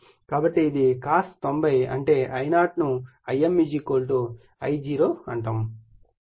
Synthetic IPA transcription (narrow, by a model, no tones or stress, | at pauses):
kaːbɐʈːeid̪ikaːst̪ombɐjɐ̰ɳʈe̞ːʔɐjnaːʈnu | ɐjemːid͡ʒiːkoːlʈu | ɐjd͡ʒiːɾoːɐɳʈɐm